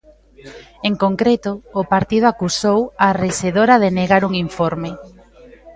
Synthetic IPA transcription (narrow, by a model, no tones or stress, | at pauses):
eŋkoŋkɾet̪ʊːpaɾt̪iðʊakusowareseðoɾɐðeneɣaɾuŋiɱfoɾmɪ